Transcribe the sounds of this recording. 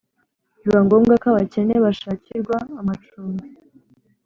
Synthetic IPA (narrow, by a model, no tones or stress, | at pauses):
iβaŋɡomɡakaβace̞neβaʃaːciɾɡwaːmat͡ʃuːmi